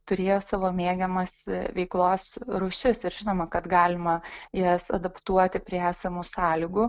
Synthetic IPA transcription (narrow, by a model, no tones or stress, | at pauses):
t̪ʊɾʲeːjoːsɑːʋoːmʲeːɡʲɛmɐsʋʲɛɪklˠoːsɾuʃʲɪsɪɾʒʲɪnoːmɐkɐt̪ɡɑːlʲɪmɐjɛsɐd̪ɐpt̪uɔt̪ʲɪpʲɾʲiɛæːsʲɛmusɑːlʲɪɡʊ